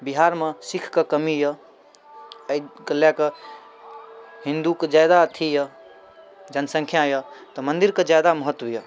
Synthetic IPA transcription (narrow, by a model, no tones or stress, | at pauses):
biɦaɾmesikʰkəkəmijə | əjɡəljakə | ɦĩnd̪ukəd͡ʒajd̪at̪ʰijə | d͡ʒənsə̃ŋkʰjajət̪ɔmənd̪iɾkəd͡ʒjad̪aməɦət̪ːwəjə